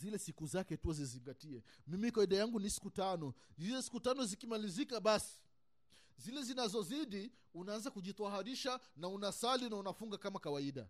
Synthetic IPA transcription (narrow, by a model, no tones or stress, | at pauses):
zilɛsikuzakɛtuɔziziŋɡatiɛmimikawaiɗajaŋɡunisi̥kutanɔzizɛsi̥kutanɔzikimalizikaɓasi̥ | zilɛzinazɔziɗi | unaanzakuʄit̪aɦaɾiʃanaunasalinaunafuŋɡakamakawaiɗa̰